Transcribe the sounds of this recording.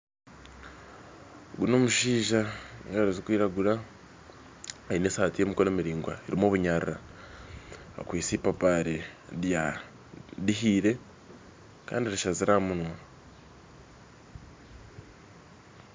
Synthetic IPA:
ɡuno̞muʃiːʒaoaɾezikwiːɾaɡuɾa | ainesaːtijemikolemiɾiːŋɡwa̰eɾimo̞ːβuɲaɾiɾa | kwiːsipapaɾeɾja | diɦiːɾe̞ | ka̰ːndiɾiʃaziɾamunwa

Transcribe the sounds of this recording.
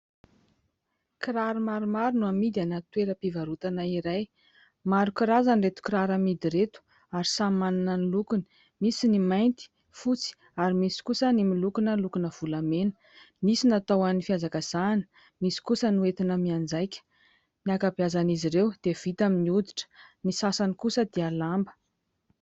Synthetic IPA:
kɾaɾimaɾumaɾunuamid̪ianat̪weɾəpivaɾut̪anaiɾaj | maɾukiɾazanret̪u̥kiɾaɾamid̪iɾet̪u̥ | aɾisamaninənilukuni̥ | misinimajnt̪i̥ | fut͡si̥ | aɾimisi̥kusənimilukunəlukunəv̥ulamenə̥ | misinat̪awanifiazakəz̥anə̥ | misi̥kusənuet̪inəmiand͡zajkʲə̥ | niakabjazaniziɾewd̪̥ev̥it̪aminiud̪iʈ͡ʂə̥nisasanikusəd̪ealambə̥

